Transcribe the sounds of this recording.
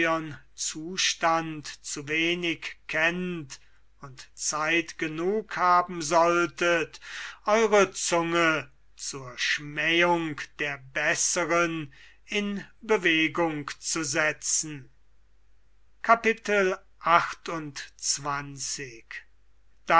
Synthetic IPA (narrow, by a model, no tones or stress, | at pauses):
ən | t͡suːʃtantt͡suveːnɪkkʰːɛnt | ʊntt͡saɪtɡ̥ənuːkhaːbm̩zɔltʰətʔɔʏʁət͡sʊŋə | t͡suːɐʃmɛjʊŋkd̥eːɐbɛsəʁən | ɪnbəveːɡʊŋkt͡suzɛt͡sn̩ | kʰapɪtəl | ʔaxtʊntt͡sv̥ant͡sɪk | d̥a